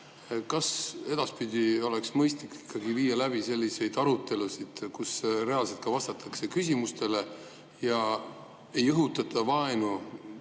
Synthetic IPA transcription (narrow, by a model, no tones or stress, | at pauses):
kɑse̞d̪̥ɑspid̪̥ʲio̞le̞ksmɤjst̪likːi̥kʰːˑɑɡiviːjːɑlæb̥ise̞lʲːise̞jd̪̥ɑɾut̪ˑːe̞lusid̪̥kusɾe̞ɑlset̪̚kɑvɑst̪ɑt̪ːˑɑkse̞kys̬ʲimust̪e̞le̞ | jɑ | e̞jɤɦut̪ːˑɑt̪ʰːˑɑvɑenu